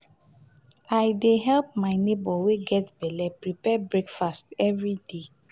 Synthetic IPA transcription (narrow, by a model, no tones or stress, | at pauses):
aɪdeɦɛlp̚maɪnebɔweɡɛtbɛlɛpɹipɛbɹekfastɛvɹide